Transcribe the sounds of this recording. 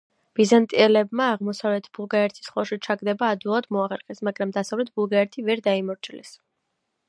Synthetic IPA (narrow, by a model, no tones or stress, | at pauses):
b̥izant̪ʼiɛlɛbmaːʁmɔsavlɛt̪ʰb̥ulˠɡaɛɾt̪ʰi̥sχɔʃit͡ʃʰaɡd̪ɛbaːd̪ulˠad̪mɔaχɛɾχɛsmaɡɾamd̪asavlɛt̪̚ʰb̥ulˠɡaɛɾt̪ʰivɛɾd̪aimɔɾt͡ʃʰilɛ̰s